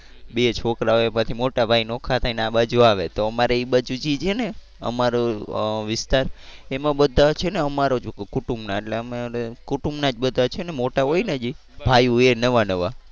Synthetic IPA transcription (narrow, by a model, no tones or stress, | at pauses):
bet͡ʃʰokɾaoemãt̪ʰimoʈabʱainokʰat̪ainabəd͡ʒoaʋet̪oəmaɾeiɓəd͡ʒud͡ʒid͡ʒene | ə̰maɾoʋɪst̪aɾemãɓəd̪ʱat͡ʃʰeneəmaɾod͡ʒukkuʈumbnaeʈleəmaɾekuʈumnad͡ʒbəd̪ʱat͡ʃʰenemoʈaɦojnad͡ʒi | bʱajuenəʋanəʋa